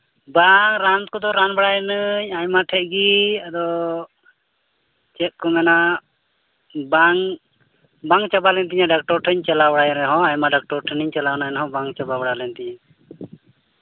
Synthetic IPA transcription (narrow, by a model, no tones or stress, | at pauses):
baŋɾant̪̚kɔd̪ɔɾanbaɽajɛnəɲaɲmaʈʰɛt̪̚ɡiad̪ɔ | t͡ʃɛt̪̚kɔmɛna | baŋ | baŋt͡ʃabalɛnt̪̬iɲaɖak̚ʈɔɾʈʰəɲt͡ʃɛlawɔɽajɔɾɛɦɔ̃ajmaɖak̚ʈɔɾʈʰənəɲt͡ʃalanajnɛɦɔ̃baŋt͡ʃababəɽalɛnt̪iɲa